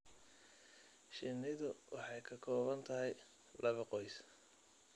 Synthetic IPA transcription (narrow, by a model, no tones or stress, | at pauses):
ʃɪnɪðʊwʔɑħɑjkʰɐkʰɔːβɐnt̪ʰɐɦɛj | lɐβɐqɔjs